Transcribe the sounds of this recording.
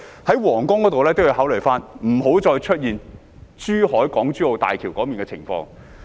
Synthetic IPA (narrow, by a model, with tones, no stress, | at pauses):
hɐ˨˥jwɔː˨˩ŋkʊ˥ŋkɔː˨˥t̪o˨wlɛː˥t̪o˥wjːi˧whaː˨˥wlɵ˨˩jfaː˥nm̩˨˩ɦo˨˥wt͡sɔː˧jt͡ʃʰɵ˥t̚jiː˨n | t͡ʃyː˥hɔː˨˥jkɔː˨˥ŋt͡ʃyː˥ho˨˧wt̪a̰ː˨jkʰiː˨˩wkɔː˨˥miː˨˩ŋkɛː˧t͡sʰɪ̰˨˩ŋfɔ̰ː˧ŋ